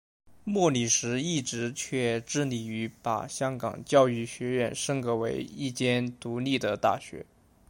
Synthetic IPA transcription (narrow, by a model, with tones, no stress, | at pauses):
mwɔ˥˩li˨˩ʂɻ̩˧˥i˥˩ʈ͡ʂɻ̩˧˥t͡ɕʰɥɛ˥˧ʈ͡ʂɻ̩˥˩li˨˩y˧˥pa̰˨˩ɕjɑ˥ŋkɑ̰˨˩ŋt͡ɕjɑ˥˧ʊy˥˩ɕɥɛ˧˥ɥɛ˥˩nʂɤ˥ŋkɤ˧˥we˧˥ɪi˥˩t͡ɕjɛ˥nt̪u˧˥li˥˩d̪ə˩t̪a̰˥˩ɕɥɛ̰˧˥